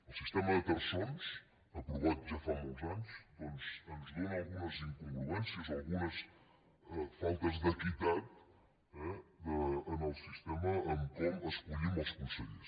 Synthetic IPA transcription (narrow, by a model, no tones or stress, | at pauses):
usiʃt̪emɐðət̪ɐɾsõns | ɐpɾuβat̪uʒafaũzanuʃp̪õnzɐ̃nzlẽalˠɣumɐzĩŋkũŋɡɾuẽnsjɐzalˠɣumɐs | ɛfalˠt̪ɐzðekit̪að | ɛðɐɐnɔsu̥siʃt̪emɐɐ̃ŋkomɐʃkuʎimɐskũnseʎuʃ